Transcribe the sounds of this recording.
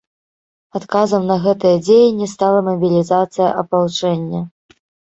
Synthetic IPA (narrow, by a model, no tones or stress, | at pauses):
at̪kazɐmnɐɣɛt̪ɨjɐd͡zʲejɐnʲːist̪alˠɐmɐbʲilʲizat̪sɨjɐ̰ʔɐpawt͡ʂɛnʲːɐ